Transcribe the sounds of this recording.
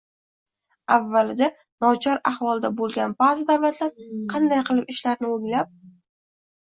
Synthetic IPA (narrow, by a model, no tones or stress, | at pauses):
avːalɪd̪a | nɒt͡ʃʰɒɾahvɒlˠd̪abolˠɡʲanbazɪd̪awlat̪laɾqʰɑnd̪ajqʰɨlˠɪpɪʃlaɾnɪoŋlap̚